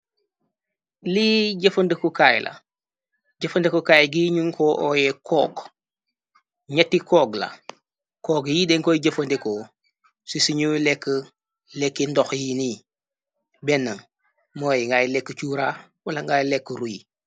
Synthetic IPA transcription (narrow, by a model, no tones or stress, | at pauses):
liɟəfɐndekokaːjlʔa̰ | ɟɐfəndekokaːjɡiːɲuŋkʰoːʔojekʰɔːk | ɲɐtːikoːɡla̰ | koːɡjideŋkojiɟɐfɐndeko | sisiɲulekːə | lekːindoxjini | bɛnːaŋ | moːjŋɡajlekːət͡ʃuɾa | walaŋɡaːjlekːəɾuji